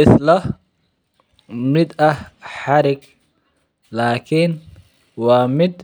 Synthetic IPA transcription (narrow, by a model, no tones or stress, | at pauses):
ɪslɐ | mɪd̪ɐhħɑɾɪɡ | laːkʰɪn | wɑːmɪd̪